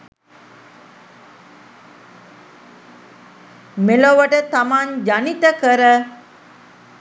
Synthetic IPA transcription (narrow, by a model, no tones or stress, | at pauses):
meloʋəʈət̪amaɲd͡ʒanit̪əkəɾə